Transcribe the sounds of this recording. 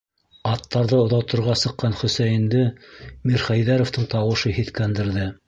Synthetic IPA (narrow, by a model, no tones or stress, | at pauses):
ɑt̪ːɑɾðɤŏðɑw̪ˠt̪ŏɾʁɑsɤ̆qːɑnχɵ̆sæjɘ̆nd̪ɘmiɾχæjðæɾŏft̪ɤɴt̪ɑwɤ̆ʃɤhiθkænd̪ɘ̆ɾðɘ